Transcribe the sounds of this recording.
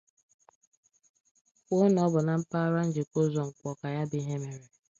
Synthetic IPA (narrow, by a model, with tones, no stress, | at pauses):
o˦n˦ɔ˦bʊ˨na˨m̩˦pa˦ɾa˦n̩˦d͡ʒe˨ko˦zɔ˨ŋ̩˨kʷɔ˨ka˨ja˦dɪ˦ɦe˦me˨ɾe˨